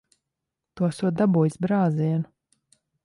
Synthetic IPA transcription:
t̪uɔsuɔd̪abuːjsbɾaːziɛnu

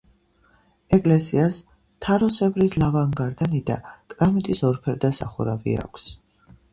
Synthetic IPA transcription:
ɛkʼlɛsias | t̪ʰaɾɔsɛvɾit̪ʰlavaŋɡaɾd̪anid̪a̰kʼɾamit̪ʼisɔɾpʰɛɾd̪asa̰χɔ̰ɾavḭa̰kʷʰs

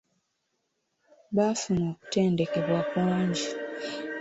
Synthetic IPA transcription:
βafunoːku̥te̞ːnde̞ke̞βwakwaːɲɟi

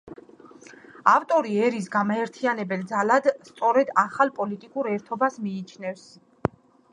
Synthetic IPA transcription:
aft̪ʼɔɾiɛɾis̬ɡamaɛɾt̪ʰianɛbɛld̪zalad̪st̪sʼɔɾɛd̪aχalˠpʼɔlit̪ʼikʼuɾɛɾt̪ʰɔbasmiːt͡ʃʰnɛfs

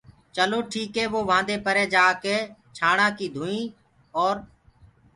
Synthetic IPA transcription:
t͡ʃəloːʈʰiːkɦeːʋoːʋãːnd̪eːpəɾeːd͡ʒaːkeːt͡ʃʰaːɽãːkiːd̪ʱũːĩː | ɔːɾ

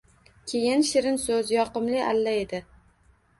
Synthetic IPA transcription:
kʲʰejɪnʃɪɾɪnsɵzjɒqɨmlɪʔalːaed̪ɪ

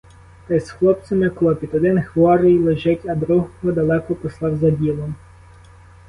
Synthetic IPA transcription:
t̪ɐjsxlˠɔp̪̚sʲɐmɪkɔlˠɔpʲit̪ɔd̪ɪnxʋɔɾɪjlˠeʒɛtʲɐd̪ɾuɦɦɔd̪ɐlˠɛkɔpɔslˠɑwzɐbʲilˠɔm

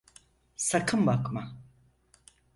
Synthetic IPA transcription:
sɐkʰɯmbakma

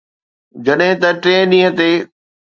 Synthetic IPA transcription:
d͡ʑɐɗɦɪ̃t̪ɐʈɾẽːɗĩːɦə̃t̪eː

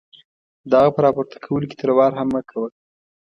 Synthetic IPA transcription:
d̪ɑɣapəɾɑpoɾt̪ʰḁkʰawəloke̥t̪əɾwɑɾɦamːəkʰawəl

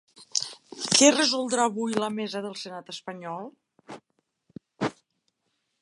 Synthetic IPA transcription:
kɛrəzulˠd̪ɾaːβujləmɛzəðəlˠsənat̪əspəɲɔlˠ

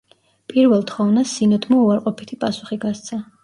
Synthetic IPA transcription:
pʼiɾvɛlˠt̪ʰχɔvnasinɔd̪ʰmɔuaɾqʼɔpʰit̪ʰipʼasu̥χiɡast̪sʰa

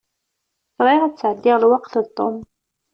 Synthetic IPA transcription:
sɾˤɪʁæt͡sːʕəlːɪʁlwɑqθðt̪ˤːom

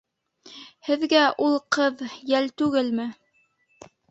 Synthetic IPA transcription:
hɘ̆ðɡæʔulˠqɤðjælt̪ʉɡɘlmɘ

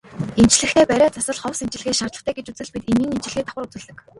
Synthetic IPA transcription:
em̥t͡ɕ̆ɮɘ̆xt̪ʰeːpæɾʲæːt͡sʰʊsə̆ɮχɔwsem̥t͡ɕɪ̆ɮɘ̆xeːʃart̪ɮə̆χt̪ʰæːɡet͡ɕut͡sɘ̆ɮpit̪eniːŋem̥t͡ɕɪ̆ɮxiːt̪ʰḁwə̆rut͡sɘ̆ɮt̪ə̆k

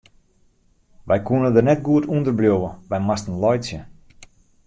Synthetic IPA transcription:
ʋɛjkuənədərnɛt̚ɡuətundərbljoʋəʋɛjmastən̩lɔjsjə

